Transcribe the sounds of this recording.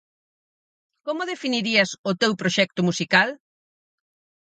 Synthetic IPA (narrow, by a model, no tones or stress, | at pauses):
komʊðefiniɾiɐsʊt̪ewpɾoʃɛk̚t̪ʊmusikal